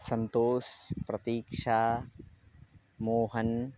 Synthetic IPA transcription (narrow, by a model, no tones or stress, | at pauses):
sɐnt̪oːspɾɐt̪iːkʃaː | moːɦɐn